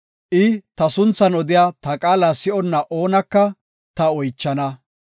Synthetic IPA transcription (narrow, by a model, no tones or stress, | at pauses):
ʔɪt̪ɐsʊnt͡sːɐnɔd̪ɪjaːt̪ɐkʼaːlasɪʔɔnːɐʔo̞ːnɐkːɐ | t̪ɐɔjt͡ʃːɐnɐ